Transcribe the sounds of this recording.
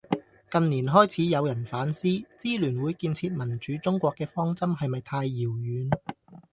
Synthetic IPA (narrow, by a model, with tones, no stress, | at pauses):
kɐ˨nniː˨˩nɦɔː˥jt͡sʰiː˨˥jɐ˨˧wjɐ˨˩nfaː˨˥nsiː˥t͡siː˥lyː˨˩nwuː˨˧jkiː˧nt͡sʰiː˧t̚mɐ˨˩nt͡ʃyː˨˥t͡sʊ˥ŋkʷɔː˧kːɛː˧fɔː˥ŋt͡sɐ˥mɦɐ˨jmɐ˨jt̪ʰaː˧jːiː˨˩wjyː˨˧n